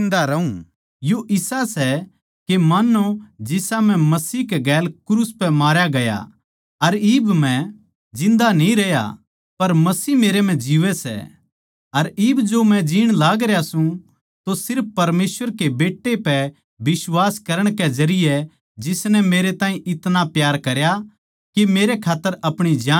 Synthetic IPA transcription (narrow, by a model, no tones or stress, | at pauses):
nd̪aɾɐũ | joʔɪsasɛ | kemaːnod͡ʒɪsam̤ɛ̃mɐsiːkeɡɛːlkɾuːspɛmaːɾjaɡɐja̰ | ɐɾibmɛ̃ | d͡ʒɪ̃nd̪anĩɾɛja̰ | pɐɾmɐsiːmeːɾem̤ɛ̃d͡ʒiʋɛsɛ̰ | ɐɾɪbd͡ʒomɛ̃d͡ʒiːɽ̃laːɡɾejasũ | t̪osɪɾpːɐɾmeːsʋəɾkebeːʈːepɛ | bɪswaːskɐɾəɽ̃kɛd͡ʒɐɾɪjɛ | d͡ʒɪsnɛmeːɾet̪ãːĩʔɪt̪napjaːɾkɐɾja | kimeːɾekʰaːt̪ːəɾɐpɽ̃id͡ʒaː